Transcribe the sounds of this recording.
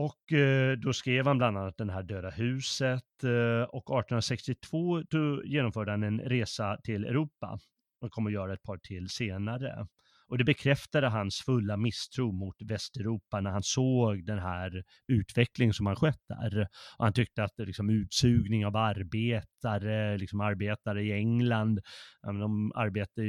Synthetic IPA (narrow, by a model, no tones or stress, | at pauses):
ɔkd̪ɔskɾeːvhanbland̪anːat̪̚d̪ɛnɦæːɖøːd̪ahʉ̟ːsət̪ɔkɑːʈnnɾasɛkst̪ɪt̪ʰv̥oːt̪ɔjeːnɔmfœːɖəhanɛnɾeːsat̪ʰɪlɛ̰ʉɾuːpːa̰ | ɔkʰɔmːɔjœːɾaɛt̪̚pʰɑːʈʰɪlːseːnaɾə̰ | ʔɔd̪ɛbɛkʰɾɛft̪ad̪əɦansfɵlːamɪst̪ʰɾuːmʊt̪vɛst̪ɛɾuːpanæɾhansoːɡd̪ɛnɦæːɾ | ʉ̟ːt̪vɛklɪŋənsɔmhanɧœt̪ːæ̰ɾɔhant̪ʰʏk̚t̪əat̪lɪksɔmʉ̟ːt̪sʉ̟ːɡnɪŋavaɾbeːt̪ʰaɾəlɪksɔmaɾbeːt̪aɾəɪɛŋland̪ɛmɛnɔma̰ɾbeːt̪ə